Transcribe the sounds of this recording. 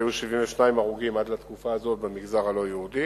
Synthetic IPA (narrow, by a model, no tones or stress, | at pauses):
juʃivimveʃnaimaʁuɡimad̪lat̪kufaːzo̞t̪̚bemiɡzaʁalo̞jehud̪i